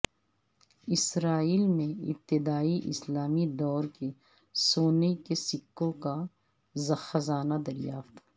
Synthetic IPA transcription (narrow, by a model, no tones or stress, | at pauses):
ɪsɾaːiːlmẽɪ̰p̚t̪ɪd̪aːiʔɪ̰slaːmid̪ɔːɾke | soːnekesɪkːõka | zɐxɐzaːnad̪ɐɾjaːft̪